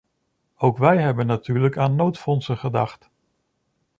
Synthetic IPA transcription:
owkʋɛjɦɛbənːatyːɹləkaːnːowtfɔnsəχədɑχt

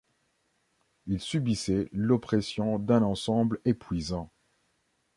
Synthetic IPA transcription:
ilsybisɛlɔpχɛsjɔ̃d̪ɛ̃nɑ̃sɑ̃blepɥizɑ̃

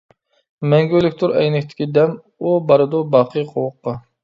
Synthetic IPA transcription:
mɛŋɡʲylɪkʲt̪ʰuɾɛ̰jnɪkʲt̪ʰɪ̥kʲid̪ɛm | ubɑɾɨd̪ubɑqʰɨjqʰowʊqːɑ

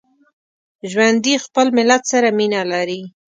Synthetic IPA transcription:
ʒwand̪ixpəlmɪlat̪saɾaminalaɾi

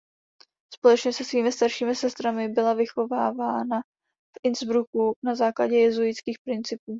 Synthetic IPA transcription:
spo̞lɛt͡ʃɲɛsɛsviːmɪst̪aɾʃiːmɪsɛst̪ɾamɪbɪlavɪxo̞vaːvaːna | fʔɪnzbɾukunazaːklaɟɛjɛzujɪt͡skiːxpɾɪnt͡sɪpuː

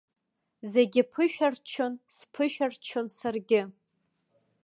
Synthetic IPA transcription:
zeɡʲɪpʰɨʃᶣart͡ʃʰonspʰɨʃᶣart͡ʃʰonsarɡʲɪ

